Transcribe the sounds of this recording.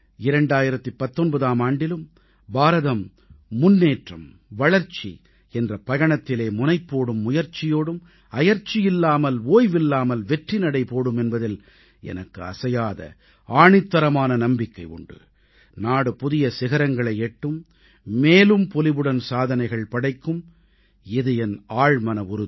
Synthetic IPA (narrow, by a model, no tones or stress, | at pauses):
ɪɾɐɳɖaːjɪɾɐt̪ːɯpɐt̪ːɔnbɐðaːmaːɳɖɪlɯm | baːɾɐðɐmː | ʊnːeːʈrɐm | ʋɐɻɐɾt͡ʃḭ | ɛndrɐpɐɣɐɳɐt̪ːɪleːmʊnɐɪpːoːɽɯmːʊjɐɾt͡ʃɪjoːɽɯm | ɐjɐɾt͡ʃːɪjɪlːaːmɐloːjʋɪlːaːmɐlʋɛʈrinɐɽɐɪpoːɽɯmɛnbɐðɪl | ɛ̰nɐkːɯɐ̰sɐjaːðɐ̰ | aːɳɪt̪ːɐɾɐmaːnɐnɐmbɪkːɐɪʊ̰ɳɖɯ̰ | naːɽɯpʊðɪjɐsɪɣɐɾɐŋɡɐɭɐɪeʈːɯmː | eːlɯmpɔlɪʋɯɽɐnsaːðɐnɐɪɣɐɭpɐɽɐɪkːɯm | ɪðɯɛnaːɻmɐnɐʊɾʊð